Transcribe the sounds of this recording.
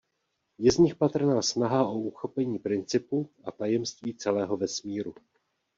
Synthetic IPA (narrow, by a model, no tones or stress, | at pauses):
jɛzɲɪxpat̪r̩naːsnaɦaʔouxo̞pɛɲiːpɾɪnt͡sɪpuʔa̰t̪ajɛmst̪viːt͡sɛlɛːɦo̞vɛsmiːɾu